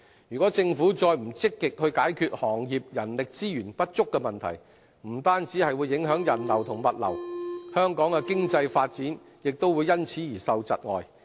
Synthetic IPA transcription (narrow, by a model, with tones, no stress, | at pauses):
jyː˨kɔː˨˥t͡sɪ˧ŋfuː˨˥t͡sɔː˧jm̩˨˩t͡sɪ˥kːɪ˨k̚hɵ˧ɥkaː˨˥jkʰyː˧t̚hɔː˨˩ŋjiː˨p̚jɐ˨˩nlɪ˨k̚t͡siː˥jyː˨˩npɐ˥t̚t͡sʊ˥kːɛ˧mɐ˨nt̪ʰɐ̰˨˩j | m̩˨˩t̪aː˥nt͡si˨˥hɐ˨jwuː˨˧jːɪ˨˥ŋɦœː˨˥ŋjɐ˨˩nlɐ˨˩wt̪ʰʊ˨˩ŋmɐ˨t̚lɐ̰˨˩whœː˥ŋkɔː˨˥ŋkɛ˧kɪ˥ŋt͡sɐ˧jfaː˧t̚t͡siː˨˥n | jɪ˨k̚t̪o˥wuː˨˧jːɐ˥nt͡sʰiː˨˥jiː˨˩sɐ˧wt͡sɐ̰˨t̚ŋɔ̰ː˨j